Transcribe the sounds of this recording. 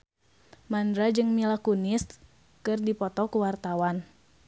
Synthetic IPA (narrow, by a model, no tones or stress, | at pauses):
mandɾad͡ʒɨŋmilakunɪst̪̚ | kɨrdipɔt̪ɔkuwart̪awan